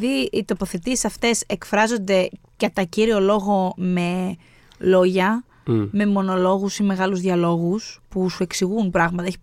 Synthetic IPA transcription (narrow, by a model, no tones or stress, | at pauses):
ðiit̪o̞po̞θe̞t̪isi̥sɐft̪e̞se̞kfɾɐzo̞nd̪e̞ | kɐt̪ɐciɾio̞lo̞ɣo̞me̞ | lo̞ʝɐ | me̞mo̞no̞lo̞ɣusime̞ɣɐluzðiɐlo̞ɣuspusue̞ksiɣunpɾɐɣmɐt̪ɐeçi